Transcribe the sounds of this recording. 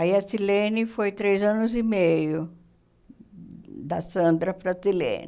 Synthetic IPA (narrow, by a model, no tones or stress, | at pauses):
aiɐsilẽnɪfojt̪ɾejzɐ̃nʊzimejʊ | d̪ɐsɐ̃nd̪ɾɐpɾɐsilḛ̃nɪ